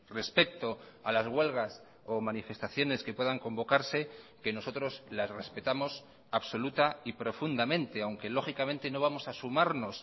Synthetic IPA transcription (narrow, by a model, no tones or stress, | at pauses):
re̞spe̞k̚t̪o̞alazɣwe̞lɣ̞as | omãnife̞st̪aθjo̞ne̞ske̞pwe̞ðaŋko̞mbo̞kaɾse̞ke̞no̞so̞t̪ɾo̞zlasre̞spe̞t̪amo̞s | aβso̞lut̪aipɾo̞fund̪amẽ̞nt̪e̞awŋke̞lo̞xikamẽ̞nt̪e̞no̞β̞amo̞sasumaɾno̞s